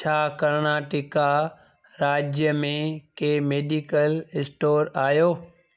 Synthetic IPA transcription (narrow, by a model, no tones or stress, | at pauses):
t͡ɕʰaːkɐɾnaːʈɪka | ɾaːd͡ʑjəmẽkeːmeːɖikəlɪsʈoːɾaːjoː